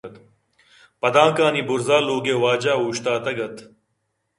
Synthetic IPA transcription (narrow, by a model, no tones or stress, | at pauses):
t̪ | pɐd̪ãːkaːnibʊɾzaːluːɡeːwaːd͡ʑaːɦuːɕt̪aːt̪ɐɡɐt̪